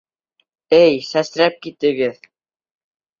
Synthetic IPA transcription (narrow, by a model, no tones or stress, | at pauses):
æjsæsɾæp̚kit̪ɘ̆ɡɘð